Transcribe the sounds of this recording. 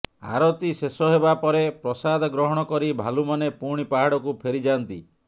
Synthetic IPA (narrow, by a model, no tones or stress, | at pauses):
a̰ɾɔt̪isesɔɦebapɔɾepɾɔsad̪ʱɔɡɾɔɦɔɽ̃ɔkɔɾibʱalumanepuɽ̃ipaɦaɽɔkupʰeɾid͡ʒant̪ḭ